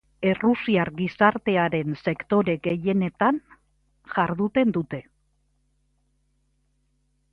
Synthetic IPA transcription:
e̞rusiarɡisaɾt̪e̞aɾe̞nse̞kt̪o̞ɾe̞ɡe̞je̞ne̞t̪an | ʝaɾðut̪e̞nd̪ut̪e̞

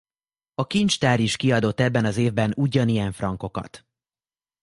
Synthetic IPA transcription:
ɒkint͡ʃt̪aːɾiʃkiɒd̪o̞t̪ːɛbːɛnɒzeːvbɛnuɟɒnijɛɱfrɒŋko̞kɒ̰t̪

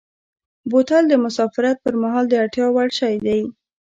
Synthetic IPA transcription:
bot̪ald̪əmʊsɑfɪɾat̪̚pəɾmaɦɑld̪əaʈjɑwaɽʃɑjd̪aj

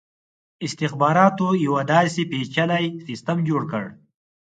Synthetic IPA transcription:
ɪst̪ɪxbɑːɾɑːt̪ojawad̪ɑːsepet͡ʃalajsist̪əmd͡ʒoːɽkəɽ

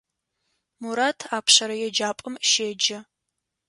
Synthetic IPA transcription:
muɾaːtʰaːpʰɕɐɾɐjɛd͡ʒaːpʼɨmʃeːd͡ʒɐ

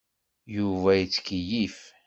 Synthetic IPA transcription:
juvæjit͡sːkəjif

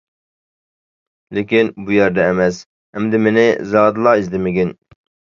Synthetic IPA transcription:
lekʲinbujɛɾd̪ɛːmɛs | ɛmd̪ɪmenezɑːd̪ɨlˠɑːizd̪ɪmɪɡʲin

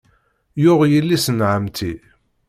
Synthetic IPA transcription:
jʊʁjəlːisənʕəmt̪ʰi

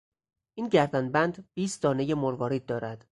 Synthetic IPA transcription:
ʔiːnɟæɾd̪ænbænd̪biːsd̪ɒːne̞jemoɾvɒːɾiːd̪d̪ːɒːɾæd̪̥

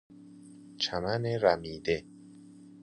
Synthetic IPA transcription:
t͡ʃʰamaneɾamiːd̪e

